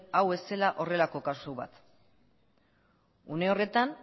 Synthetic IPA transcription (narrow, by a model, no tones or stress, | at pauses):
awe̞se̞laʔo̞re̞lako̞kasuβa̰t̪ | une̞o̞re̞t̪an